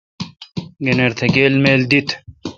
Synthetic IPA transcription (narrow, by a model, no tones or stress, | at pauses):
ɡeneɾt̪ʰeɡeːlmeːld̪it̪ʰ